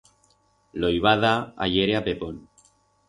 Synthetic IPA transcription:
lojβaðaa̰ʎeɾeapepon

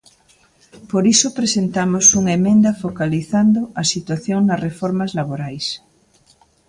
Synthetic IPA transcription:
poɾisopɾesent̪amosuŋaemẽnd̪ɐfokaliθand̪oɐsit̪waθjoŋnɐsrefɔɾmazlaβoɾajs

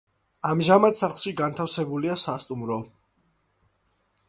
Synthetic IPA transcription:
amʒamat̪saχlˠʃiɡant̪ʰafsɛbuliasast̪ʼumɾɔ

